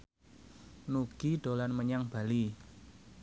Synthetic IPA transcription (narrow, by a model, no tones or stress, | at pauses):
nuɡ̥iɖ̥o̤lanməɲaŋb̥a̤li